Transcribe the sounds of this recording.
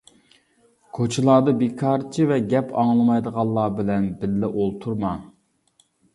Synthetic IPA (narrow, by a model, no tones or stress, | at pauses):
kʰot͡ʃʰɪlˠɑːd̪ɨbekʰɑɾt͡ʃʰivɛɡʲɛpʰɑŋlˠɨmɑjd̪əʁɑlˠːɑːbɪlɛnbɪlːɪʔolˠt̪ʰuɾmɑ